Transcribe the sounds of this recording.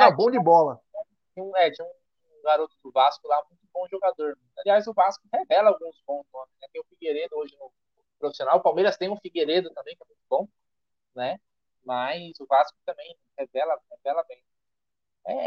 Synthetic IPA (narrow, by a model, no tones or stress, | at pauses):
ɛʊbõw̃d͡ʒɪbɔlɐɛ | d͡ʒẽũɛd͡ʒĩũ | ũɡaɾot̪ʊd̪ʊvaskʊlamũj̃t̪ʊbõw̃ʒoɡad̪oɾ | aliajzʊvaskʊhevɛlɐawɡũzbõsõnɪnɛt̪ẽj̃ũfiɡeɾed̪ʊoʒɪnʊ | ʊpɾofi̥sionawʊpawmeɾɐst̪ẽj̃ũfiɡeɾed̪ʊt̪ɐ̃mbẽj̃kɛmũj̃t̪ʊbõw̃ | nɛ | majzʊvaskʊt̪ɐ̃mbẽj̃ | hevɛlɐaɡũevɛlɐbẽj̃ | ɛ̰